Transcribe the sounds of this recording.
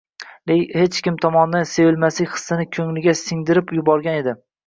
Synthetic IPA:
lejhe̞t͡ʃkʲɪmt̪ʰɒmɒnd̪anse̞vɪlmasɪkʲχɨ̥sːɪnɪkʲʰɵŋlɪɡʲasɪŋd̪ɪɾɪpjʊbɒɾɡʲane̞d̪ɪ

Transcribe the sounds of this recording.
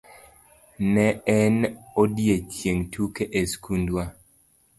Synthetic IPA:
nɛɛnodjet͡ʃjeŋtʰukeʔeskundwa

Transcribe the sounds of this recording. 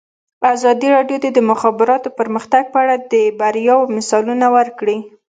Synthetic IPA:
azɑd̪iɾɑɖjod̪ed̪əmʊxɑbɪɾɑt̪opəɾməxt̪aɡ̚pəaɽad̪əbaɾjɑwmɪsɑlunawəɾkɽi

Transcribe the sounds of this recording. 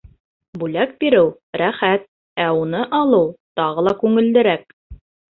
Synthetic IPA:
bʉlæk̚biɾɘw | ɾæχæt̪̚ | æunɤʔɑlˠɤwt̪ɑʁɤlˠɑkʉŋɘ̆ld̪ɘ̆ɾæk̚

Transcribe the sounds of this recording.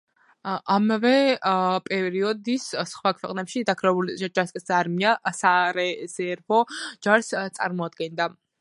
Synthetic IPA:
ʔamavɛpʼɛɾiɔd̪issχwakʰwɛ̰qʼnɛpʃid̪akʰɾɛbuld͡ʒaskʼsaːɾmiasaɾɛz̥ɛːɾpʰɔd͡ʒaɾst̪sʼa̰ɾmɔad̪̚ɡɛnd̪a

